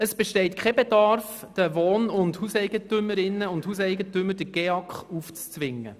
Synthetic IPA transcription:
əsb̥ɛʃtɛɪt̚kʰχɛbedɑɾfd̥əʋoːnʊndhusɛɪɡətʏməɾɪnːəʊnthuːs̬ɛɪɡətʏmːəd̥əɡ̥eɑkχuːft͡st͡sʋɪŋːə̰

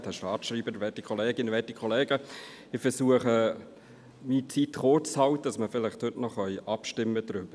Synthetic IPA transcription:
tdɛʃtɑːtʃɾiːbəɾʋɛtikʰɔleːɡɪnʋɛtikʰɔleːɡə | ɪfɛɾsuəχə | miːt͡siːtχoɾt͡shɑwt̪ədɑsməfɪlɪχthʏtnɔχœjʔɑpʃtɪmːəd̥̪ɾʏb̥ə

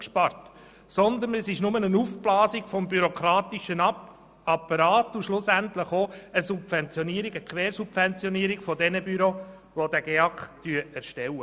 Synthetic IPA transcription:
kʃpɑrt | sɔnd̪ənɛsɪʃnʊmənənuːfblɑːsiɡ̥fɔmbyɾɔkʰɾɑːt̪iʃən | ɑpːɑɾɑːtʊʃlʊsæntləχoəsupfɛnt͡sjɔniːəɾiɡəkχʋɛːɾsupfɛnt͡sjɔniːəɾiɡ̥fɔdɛnəbyɾoʋodæɡeɑktyəæɾʃtɛlə

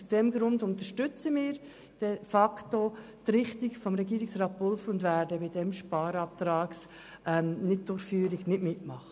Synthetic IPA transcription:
sd̥ɛmɡɾʊndʊnt̪əʃtʏt͡səmɪːɾ | d̥ɛfɑkto | t̪ɾɪχtɪɡfɔmɾɛɡiːɾɪksɾɑːt̚pʊlfʊndvæːɾdəbɪdɛmʃpɑːɾɑp̚t̪ɾɑːks | ʔɛmnɪt̚d̥ʊɾfyːəɾɪɡnɪdmɪtmɑχə

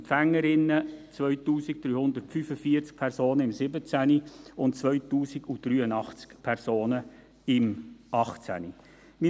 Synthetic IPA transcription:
fæŋːəɾɪnːət͡sʋœɥtuːsik̚d̥ɾyːhʊnd̪əɾtfyfəfiəɾt͡sk̚pʰɛɾsoːnəɪmsɪbət͡sæniʊntt͡sʋœʏtuːsiɡud̥ɾyːənɑχt͡skpʰɛɾsoːnə | ɪmɑχt͡sæ̰ni | mi

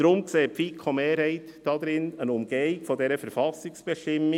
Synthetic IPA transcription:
ɾʊmkseːpfiːkʰɔmeːɾhɛɪtd̥ɑd̪ɾɪnənʊmɡ̥eɪɡfɔdɛɾəfɛɾfɑsɪksb̥ɛʃtɪmːɪ

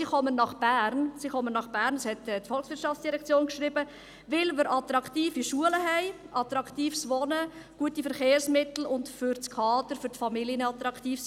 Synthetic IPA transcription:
iχɔmənːɑχb̥æːɾnsiχɔmənːɑχb̥æːɾnəshɛtɛtfɔlχsʋɪɾtt͡ʃʃɑftt͡ssd̥iɾɛkt͡sjoːnkʃɾibə | ʋɪlmɪɾʔɑt̪ɾɑktiːfiʃuələɦɛɪ | ʔɑt̪ɾɑkt̪iːfsʋɔnə | ɡ̥uətifəɾχeːrsmɪt̪l̩ʊntfʏɾt͡skʰɑːdəɾfʏɾtfɑmiljənəɑt̪ɾɑkʰt̪iːfs

